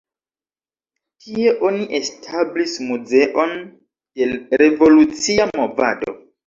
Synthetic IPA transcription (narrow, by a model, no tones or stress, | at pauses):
kʰie̞ʔo̞niʔe̞stʰablismuze̞ʔo̞n | d̥e̞ɾe̞vo̞lut͡siamo̞va̰do̞̰